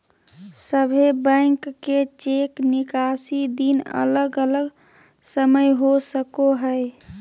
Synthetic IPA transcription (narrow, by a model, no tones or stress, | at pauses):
səbʱebə̃ɪŋkːet͡ʃeknikasid̪inə̰ləɡələɡ | səməjɦosəkoɦəj